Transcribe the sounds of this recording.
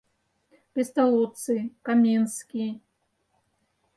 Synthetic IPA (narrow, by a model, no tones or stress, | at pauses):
pʲest̪alˠɔt̪sɨkamʲenskʲi